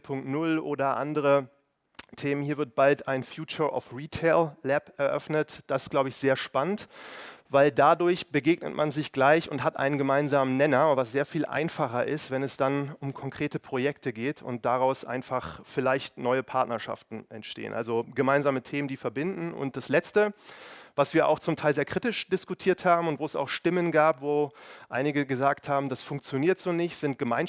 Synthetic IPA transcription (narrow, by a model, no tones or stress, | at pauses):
pʰʊŋk̚tnʊlʔo̰ːdɐʔa̰ndəʁə | tʰeːmənhiːɐvɪɐt̚b̥altaɪnfjuːt͡ʃɐʔɔ̰fʁiːtʰeɪlːɛpɛɐʔœ̰fnətd̥asɪ̥stɡ̥laʊbəɪçz̥eːɐʃpanəntvaɪldadʊɐçb̥əɡeːɡnə̰tmʔanzɪçɡ̥laɪçʊntɦatʔa̰ɪnənɡəmaɪnzaːmənnɛnɐvasz̥eːɐfiːlʔa̰ɪnfaχɐʔɪstv̥ɛnɛsd̥anʊmkʰɔŋkʁ̥eːtəpʁ̥ojɛktəɡeːtʰʊ̰nt̚d̥aʁaʊsʔa̰ɪnfaχfɪlaɪçtnɔʏəpʰaɐtnɐʃa̰ftn̩ʔɛntʃtḛːə̰nʔa̰lzoɡəmaɪnzaːmətʰeːməndiːfɛɐbɪndn̩ʊ̰ntd̥aslɛt͡stəvasv̥iːɐʔa̰ʊxt͡sʊmtʰaɪlzeːɐkʁ̥ɪtɪʃd̥ɪskutʰiːɐthaːbm̩ʊntv̥oːɛsa̰ʊxʃtɪmənɡaːpv̥oːʔaɪnɪɡəɡəzaːkthaːbm̩dasfʊŋk̚t͡sjoniːɐtz̥oːnɪçtz̥ɪnt̚ɡ̥əmaɪn